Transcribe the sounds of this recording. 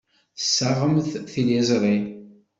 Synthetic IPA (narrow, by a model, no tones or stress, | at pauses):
θsːaʁəmθθiljæzɾin